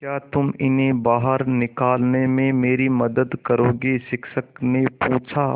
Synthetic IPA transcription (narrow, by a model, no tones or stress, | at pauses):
kjaːt̪ʊmɪnɦẽbaːɦəɾnɪkaːlnemẽmeːɾimɐd̪əd̪kəɾoːɡiʃɪkʃəknepuːt͡ʃʰaː